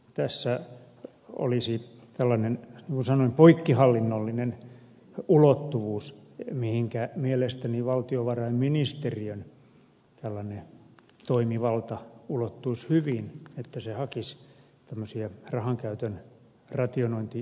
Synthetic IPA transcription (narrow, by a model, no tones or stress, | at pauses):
t̪æsːæ | o̰lisi | t̪ælːɑnenniːŋkunsɑnoimpoikːihɑlːinːolːinen | ulot̪ːuʋuːsmihiŋkæmielest̪æniʋɑlt̪ioʋɑrɑimminist̪eriøn | t̪ælːɑne | t̪oimiʋɑlt̪ɑulot̪ːuishyʋinet̪ːæsehɑkis | t̪æmːøsiɑrɑhɑŋkæyt̪øn | rɑt̪ionoint̪i